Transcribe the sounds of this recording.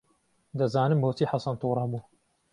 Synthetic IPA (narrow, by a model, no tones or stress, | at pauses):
d̪ɐzaːnɨmboːt̪ʰiːħɑsɐnt̪uːɾˤɑbuː